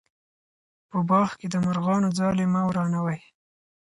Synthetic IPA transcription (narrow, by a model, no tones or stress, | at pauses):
pəbɑxked̪əmaɾɣɑnod͡zɑlemawɾɑnawaj